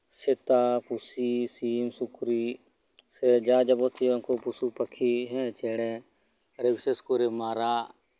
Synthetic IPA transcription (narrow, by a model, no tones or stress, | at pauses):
sɪt̪aːkusiːsiːmsʊkɾiː | seːd͡ʒaːd͡ʒəboːt̪iokoːpusuːpəkʰiːɦɛ̃ːt͡ʃeːɽɛ̃ː | ɾeʋɪseːskoːɾeːmaːɾaː